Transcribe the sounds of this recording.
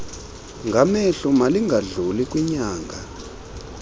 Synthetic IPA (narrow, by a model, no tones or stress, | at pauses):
ŋɡʱamɛɬumaliŋɡʱaɮulik̬ʼwiɲaːŋɡʱa